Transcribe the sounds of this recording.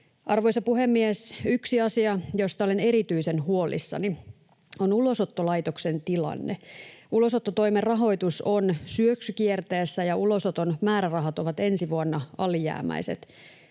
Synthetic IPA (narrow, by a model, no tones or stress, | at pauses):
ʔɑrʋo̞ijsɑpuɦemːiesyksiɑsiɑjost̪ɑolene̞ɾit̪yise̞nhuolḭsːɑ̰ni | o̞nulo̞sot̪ːolɑjt̪okse̞nt̪ilɑ̰nːeulo̞sot̪ːot̪o̞jmerrɑɦo̞jt̪uso̞nsyøksykiert̪e̞ːsːæjɑulo̞sot̪o̞nmæːɾærɑɦɑt̪oʋɑt̪e̞nsiʋuonːɑɑlijæ̰ːmæ̰jse̞t̪